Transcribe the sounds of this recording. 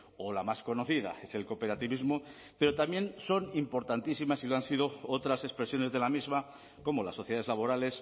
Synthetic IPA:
olamasko̞no̞θiða̰e̞se̞lko̞pe̞ɾat̪iβizmo | pe̞ɾo̞t̪amje̞nso̞nimpo̞ɾt̪ant̪isimasiloansiðo̞ot̪ɾase̞spɾe̞sjo̞ne̞zðe̞lamizma | ko̞mola̰sːo̞θjaðezlaβo̞ɾale̞s

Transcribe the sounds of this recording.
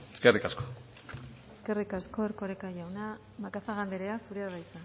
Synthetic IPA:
eskerikasko | eske̞rikasko̞eɾkoɾekaʝawna | makasaɣand̪eɾeasuɾeaβajt͡sa

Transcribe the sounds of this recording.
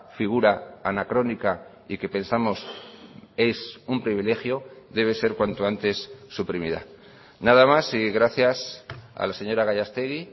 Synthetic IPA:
fiɣ̞uɾaanakɾo̞nika | ike̞pe̞nsamo̞s | e̞sumpɾiβile̞xjo̞ðe̞β̞e̞se̞ɾkwant̪oant̪e̞sːupɾimiða̰ | naðamasiɣɾaθjasa̰lase̞ɲo̞ɾaɣaʎast̪eɣi

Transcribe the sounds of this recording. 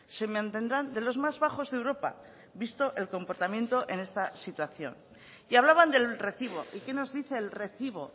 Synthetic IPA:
se̞meãnt̪e̞nd̪ɾand̪e̞lo̞zmazβaxo̞zðewɾo̞pa̰ | βist̪o̞ʔe̞lko̞mpoɾt̪amje̞nt̪o̞ʔe̞ne̞st̪asit̪waθjo̞̰n | iaβ̞laβand̪e̞lre̞θiβ̞o̞̰ʔike̞no̞zðiθe̞ːlre̞θiβo̞

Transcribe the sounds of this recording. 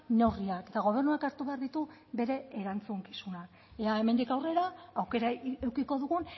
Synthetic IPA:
newriake̞t̪aɣ̞o̞β̞e̞rnuakaɾt̪uβe̞aɾðit̪uβe̞ɾe̞ːɾant͡suŋki̥sunak | eae̞me̞nd̪ikawre̞ɾaːwke̞ɾaewkiko̞ðuɣun

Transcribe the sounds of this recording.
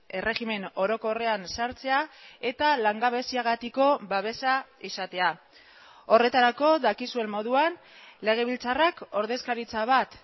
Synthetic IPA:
e̞re̞ɣime̞no̞ɾo̞ko̞re̞ansaɾt͡se̞ae̞t̪alaŋɡaβe̞siaɣ̞at̪iko̞baβe̞saisat̪e̞a | o̞re̞t̪aɾako̞ðakisue̞mmːo̞ðuan | le̞ɣ̞e̞βilt͡sarako̞ɾðe̞skaɾit͡saβ̞at̪

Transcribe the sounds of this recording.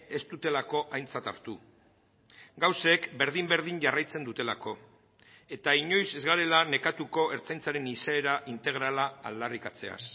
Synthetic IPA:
e̞st̪ut̪e̞lako̞ʔajnt͡sat̪a̰ɾt̪u | ɡawse̞kbe̞ɾðimbe̞ɾð̞iɲʝarajt͡se̞nd̪ut̪e̞lako̞ | e̞t̪aiɲo̞jse̞zɣaɾe̞lane̞kat̪uko̞ʔe̞ɾt͡sajnt͡saɾe̞niseːɾaʔint̪e̞ɣ̞ɾala̰ːld̪arikat͡se̞̰a̰s

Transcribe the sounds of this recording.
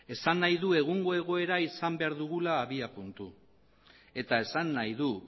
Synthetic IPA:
e̞sanːajðue̞ɣ̞uŋɡo̞e̞ɣ̞o̞e̞ɾaisambe̞aɾðuɣ̞ulaːβiapunt̪u | e̞t̪ae̞sanːajðu

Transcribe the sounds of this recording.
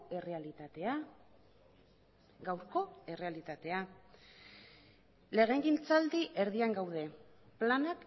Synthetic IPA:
e̞re̞alit̪at̪e̞a | ɡawɾko̞e̞re̞alit̪at̪e̞a | le̞ɣeŋɡint͡sald̪iʔe̞ɾðiaŋɡawð̞e̞ | planak

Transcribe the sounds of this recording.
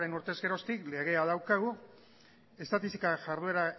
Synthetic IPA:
ɾe̞nuɾt̪e̞ske̞ɾo̞st̪ikle̞ɣ̞e̞aðawkaɣ̞u | e̞st̪at̪isikaʝaɾð̞ue̞ɾa

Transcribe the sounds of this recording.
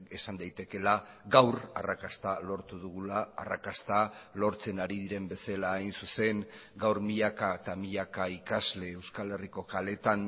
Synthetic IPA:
e̞sand̪ajt̪e̞ke̞la | ɡawɾa̰rakast̪alo̞ɾt̪uðuɣula̰ːrakast̪alo̞ɾt͡se̞naɾiðiɾe̞mbe̞selaːjnsuse̞ŋɡawɾmiʎakat̪amiʎakaikazle̞ːwskale̞riko̞kale̞t̪an

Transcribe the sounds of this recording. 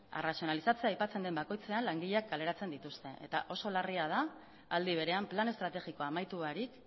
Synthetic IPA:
erasio̞nalisat͡se̞ajpat͡se̞nd̪e̞mbako̞jt͡se̞anlaŋɡiʎeak̚ɡale̞ɾat͡se̞nd̪it̪ust̪e̞e̞̰t̪a̰ʔo̞so̞lariað̞aː | ld̪iβ̞e̞ɾe̞amplane̞st̪ɾat̪e̞ɣikoamajt̪uaɾik

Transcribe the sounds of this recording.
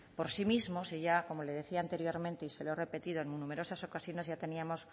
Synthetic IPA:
po̞ɾsimizmo̞siʝako̞mole̞ð̞eθiaːnt̪e̞ɾjo̞ɾmẽnt̪eiselere̞pe̞t̪iðoenmunume̞ɾosaso̞kasjo̞nezʝat̪e̞niamo̞s

